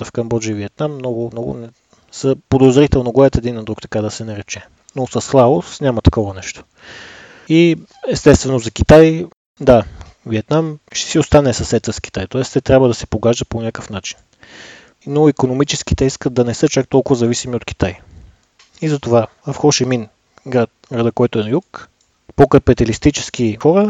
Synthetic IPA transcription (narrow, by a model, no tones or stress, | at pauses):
əfkɐmbɔd͡ʒiiviɛt̪namːnɔɡʊmnɔɡʊ̰nɛ | səpod̪ozɾit̪ɛlˠnoɡoɛɐt̪ɛd̪inɐd̪ɾukt̪ɐ̥kad̪ɐsɛnɐɾɛt͡ʃɛ | nosɐsːlˠavosnʲamɐt̪ɐ̥kɔvɐnɛʃt̪o̥ | i | ɛst̪ɛst̪vɛnozɐk̟it̪aj | d̪a | viɛt̪namʃt̪ɛ̥siost̪anɛsɐsɛt̪səskʲi̥t̪ajt̪ɔɛst̪ɛt̪ɾʲjabvəd̪ɐsɛ̥poɡaʒd̪ət̪̚ponʲakəfnat͡ʃi̥n | noikonomit͡ʃɛsk̟it̪ɛiskət̪d̪ɐnɛsɤt͡ʃak̚t̪ɔlˠkʊvɐzɐvisimiot̪k̟i̥t̪aj | izɐt̪ovavɐfxoʃɛmin | ɡɾat̪ɡɾad̪əkɔjt̪oɛnɐjuk | pokəpit̪ɛlist̪it͡ʃɛ̥skixɔɾə